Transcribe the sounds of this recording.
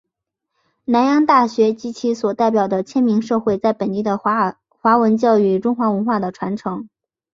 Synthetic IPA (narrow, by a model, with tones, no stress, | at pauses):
na˧˥njɑ˥ŋt̪a˥˩ɕɥɛ˧˥t͡ɕi˧˥t͡ɕʰi˧˥swɔ˨˩t̪a˥˩ɪpjɑ˨˩ʊd̪ə˦t͡ɕʰjɛ˥nmi˧˥ŋʂɤ˥˧xwe˥˧ɪt͡sa˥˩ɪpə˨˩nt̪i˥˩d̪ə˩ | xwa˧˥wə˧˥nt͡ɕjɑ˥˧ʊy˨˩ʈ͡ʂʊ˥ŋxwa˧˥wə˧˥nxwa˥˩d̪ə˩ʈ͡ʂʰwa˧˥nʈ͡ʂʰɤ˧˥ŋ